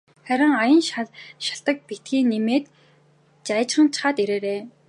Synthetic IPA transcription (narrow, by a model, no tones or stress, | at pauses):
χæɾʲɪ̆ŋajə̆nʃʃḁɬt̪ə̆k̚pit̪ɡiːŋnːemeːt̪ | t͡ɕaj̆t͡ɕχə̆nt͡ɕʰḁχaːt̪iɾeːɾeː